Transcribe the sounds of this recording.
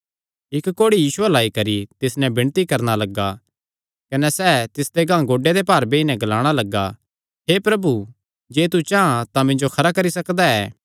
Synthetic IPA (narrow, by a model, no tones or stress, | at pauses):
ɪkkːoːɽijiːsuɐlaːikɐɾit̪ɪsnɛ̃bʱɪɽ̃t̪ikɐɾñalɐɡa | kɐnɛsɛːt̪ɪsd̪eɡãːɡoːɖed̪epaːɾbeɪnɛ̃ɡɐlaːɽ̃alɐɡːa | ɦepɾɐbu | d͡ʒeːt̪̬ut͡ʃaːãt̪amɪ̃nd͡ʒokʰɐɾakɐɾisɐkd̪aɛː